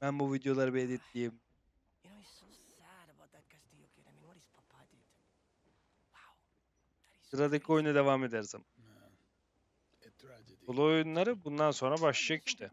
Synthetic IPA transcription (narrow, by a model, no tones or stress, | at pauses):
bænbuvid̪jo̞lˠaɾɯbed̪it̪d̪ijm | inonsaɾbad̪akat͡ʃt̪ijokjeɾɛminɾispʰapʰad̪id̪ | waw | sɯɾad̪ikʰo̞junad̪e̞vaːme̞d̪æɾzaman | olˠuojunlˠaɾɯbund̪anso̞nɾabaʃlˠajaki̥ʃt̪ʰɛ